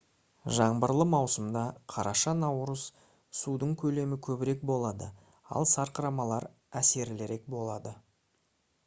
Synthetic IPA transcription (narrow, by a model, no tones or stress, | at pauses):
ʒɑɴbəɾlˠəmɑwsəmd̪ɑqʰɑɾʔɑʃɑnɑwɾəz̥ | sud̪əɴkʲʰɵle̞mɪkʲʰɵbɪɾe̞k̚bo̞lˠɑd̪ə | ɑ̰lˠsɑɾqəɾɑmɑlˠɑɾ | æse̞ɾɪleɾe̞k̚bo̞lˠɑd̪ə